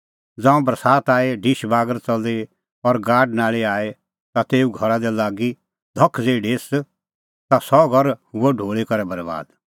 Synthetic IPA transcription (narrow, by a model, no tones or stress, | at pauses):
d͡zãːũbɾɐsaːt̪aːeɖʱiʃbaːɡəɾt͡sɐld̪e | ɔɾɡaːɖnaːɭeaːe | t̪at̪eːuɡʱɐɾad̪ɛlaːɡi | d̪ʱɔkʰːd͡zeːɖeːs | t̪asɔɡʱɐɾhʊɛɖʱoːɭekɐɾɛbɐɾba̰ːd̪